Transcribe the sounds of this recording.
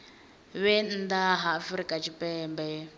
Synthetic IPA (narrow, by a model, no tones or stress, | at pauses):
βɛn̩daɦaːfɾikʼat͡ʃʰipʼɛːmbɛ